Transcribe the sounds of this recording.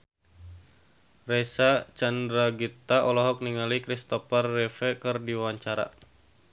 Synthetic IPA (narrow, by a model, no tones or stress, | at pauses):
rɛsat͡ʃandɾaɡit̪aʔɔlɔɦɔk̚niŋalikɾist̪ɔparːɛfɛkɨrdiwaɲt͡ʃaɾa̰